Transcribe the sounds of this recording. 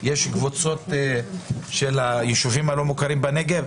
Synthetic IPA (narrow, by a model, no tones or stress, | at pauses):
jeʃɡvot͡so̞t | ʃelajeʃuvimalo̞mukaʁimbaneɡev